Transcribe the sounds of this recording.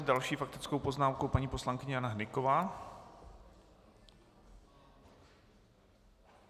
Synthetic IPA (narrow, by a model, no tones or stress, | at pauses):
zdalʃiːfak̚t̪ɪt͡sko̞wpo̞znaːmkowpaɲiːpo̞slaŋkɪɲɛjanaɦnɪko̞vaː